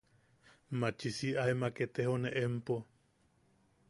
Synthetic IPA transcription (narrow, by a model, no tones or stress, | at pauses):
mat͡ʃisiʔaemaket̪ehoneʔempo